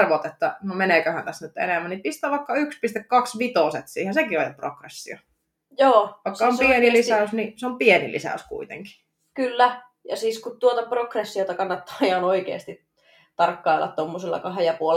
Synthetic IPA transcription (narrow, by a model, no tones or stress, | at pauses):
rʋot̪et̪ːænomeneˑkøhæ̰nt̪æstnyt̪ḛnemːænipist̪ˑæːʋɑikːɑykspist̪ekkɑksʋit̪oset̪sḭːhensekiojopro̰krḛsːio̰ | joːʋɑˑiskːɑompienilisæˑysniseompienḭlḭsæ̰ˑyskṵit̪ḛŋki̥ | kylːæ | jɑ̰siːskut̪t̪uot̪ɑprokresːiot̪ɑkɑnːɑt̪ːɑːijɑnoikḛːst̪it | t̪ɑrkːɑilːɑ̰t̪t̪omːoselːɑ̰kɑɦejɑpuol